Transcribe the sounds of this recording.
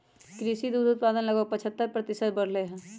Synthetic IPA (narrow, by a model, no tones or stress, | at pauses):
kɾiːʃid̪uːd̪ʊt̪̚paːd̪ənlɐɡəpɐt͡ʃʰət̪ːəɾpɾət̪ɪsət̪bɐɽ̤leɦɛ̃ː